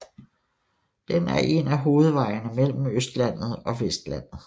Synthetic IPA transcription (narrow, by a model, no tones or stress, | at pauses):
d̥enæɐʔe̝næɦo̝ːð̞̩ˠʋɑ̈ɪnəmel̰m̩øsd̥læn̰ð̞̩ˠɒ̽ʋesd̥læn̰ð̩ˠ